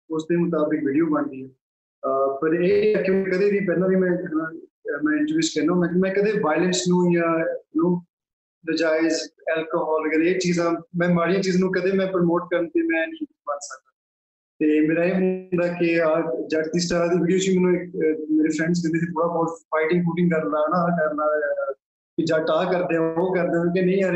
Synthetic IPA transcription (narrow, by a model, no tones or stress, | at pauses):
ʊsd̪eːmʊt̪aːbɪkʋɪɽijoːbənd̪iːɛː | pəɾeːkjõːkekəd̪eːʋiːpɛːnãːbiːmɛ̃ːnãːmɛ̃ːɪ̃ɳʈəɾiːd͡ʒkɛːnaːɦõːnd̪ãːkmɛ̃ːkəd̪eːʋaːɪlə̃nsnũːjãːnõː | nəd͡ʒaːɪd͡ʒɛːlkoːɦɔːlɡəɾeːt͡ʃiːzãːmɛ̃ːmaːɽijãːt͡ʃiːzãːnũːkəd̪eːmɛ̃ːpəɾmoːʈ̚kəɾənt̪eːmɛ̃ːnĩːmənsək̚d̪ãː | t̪eːmeːɾaːeːmənd̪aːkɪaːd͡ʒaːʈt̪iːsʈaɾːd̪ibɪɽjuːt͡ʃiːmɛ̃ːnũːɪkmeːɾeːfʰɾɛ̃ːɳɖs̬d̪ɪneːt̪eːt̪ʰoːɽaːbɔːt̪faːɪʈɪ̃ŋɡpuːʈɪ̃ŋɡkəɾnaːnakəɾnãː | kɪd͡ʒaːʈaːkəɾd̪ẽːãoːkəɾd̪ẽːãːkenəĩːaɾ